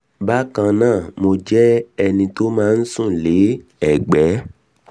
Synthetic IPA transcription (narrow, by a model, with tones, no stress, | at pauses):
ba˦kã˧nãː˦˨mo˧d͡ʒɛ˦ɛ˧nĩ˧to˦mãː˦n̩˦sũ˦˨le˨˦ɛ˦˨ɡ͡bɛ˨˦